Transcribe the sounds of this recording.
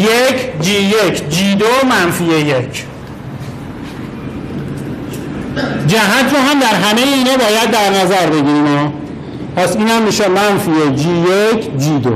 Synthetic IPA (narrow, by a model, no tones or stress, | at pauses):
jecʰd͡ʒiːjecʰd͡ʒiːd̪omænfiejecʰ | d͡ʒæɦæt̪ʰɾɔːɦæmd̪æɾɦæmejeiːnɛːbɒːjæd̪ːæɾnæzæɾbe̞ɡiːɾimɒː | pʰæsiːnhæmːiːʃemænfied͡ʒiːjecʰd͡ʒiːd̪o